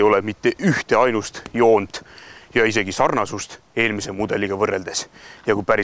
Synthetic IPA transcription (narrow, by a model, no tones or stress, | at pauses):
jo̞lemit̪ːe̞ʔyht̪e̞ɑjnust̪jo̞ːnd̪̥ˑjɑis̬e̞ɡisɑrnɑsust̪ | e̞ːlmisemud̪̥e̞liɡ̥ɑvɤrːe̞ld̪̥e̞sjɑkujpæɾi